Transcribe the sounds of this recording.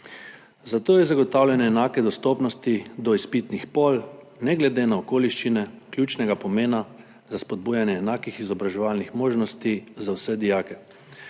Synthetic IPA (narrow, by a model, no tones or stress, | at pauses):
zat̪oːjɛzaɡɔt̪awlʲjanɛːnaːkɛd̪ɔst̪ɔpnɔst̪id̪ɔispit̪nixpɔl | nɛɡlɛd̪eːnaɔkoːliʃt͡ʃinɛklʲuːt͡ʃnɛɡapɔmeːna | zaspɔd̪̚buːjanjɛːnaːkixizɔbɾaʒɛʋalnixmoːʒnɔst̪izawsɛd̪ijaːkɛ